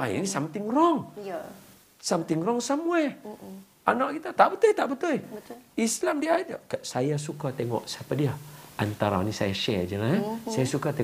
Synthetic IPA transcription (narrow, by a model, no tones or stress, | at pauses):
aḭnisamt̪ɪŋrɔŋ | samt̪ɪŋrɔŋsamuaj | ʔanaʔkit̪at̪aʔbət̪ʊjt̪aʔbət̪ʊjislamdiadakaʔsajasukat̪eŋɔ̰ʔsapadiaʔa̰nt̪aɾa̰nisa̰jaʃɛd͡ʒəlaasajasukat̪e